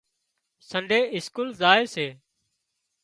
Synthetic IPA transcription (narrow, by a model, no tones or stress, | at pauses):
səɳɖʱeːɪskuːlzaːeːseː